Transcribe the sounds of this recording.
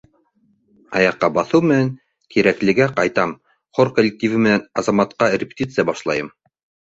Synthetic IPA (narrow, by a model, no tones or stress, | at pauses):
ɑjɑqːɑbɑθɤwmɘ̆næŋ | kiɾæklɘ̆ɡæqɑjt̪ɑm | χoɾkolʲːɪk̚tʲivɘmɘ̆nænɑzɑmɑt̪qɑrʲɪpʲɪ̥t̪ʲit̪sɨjɑbɑʃlˠɑjɤm